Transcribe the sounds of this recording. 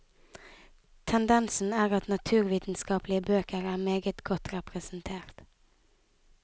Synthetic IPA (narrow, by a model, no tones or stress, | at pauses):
t̪ʰɛnd̪ɛnsn̩æːʁɑt̪nɑt̪ʰʉːɾʋiːt̪n̩skɑːplɪəbøːkəɾæːmeːɡət̪ɡ̥ɔt̪ɾɛpɾɛsn̩t̪ʰeːɾt̪